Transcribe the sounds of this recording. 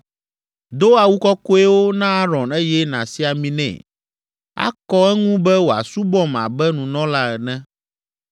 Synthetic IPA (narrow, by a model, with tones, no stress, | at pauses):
d̪o˦a˨wu˦kɔ˦ko˦ɛ˦wo˦nã˦a˦ɾɔ̃˨ne˦jɛ˦nã̰˨si˦a˨mĩ˨nɛ̰̃˨ | a̰˦kɔ˦ɛ˦ŋũ˦bɛ˦wo˨a̰˨su˦bɔ˦ma̰˨bɛ˦nũ˨nɔ̃˦la˦ɛ˨nɛ̃˦